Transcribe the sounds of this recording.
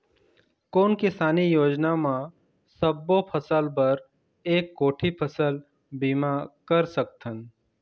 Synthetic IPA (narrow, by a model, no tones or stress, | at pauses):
koːnkɪsaːnijoːd͡ʒnamã | səbːopʰəsəlbɐɾ | eːkːoːʈʰipʰəsəl | biːmakəɾsək̚t̪ʰən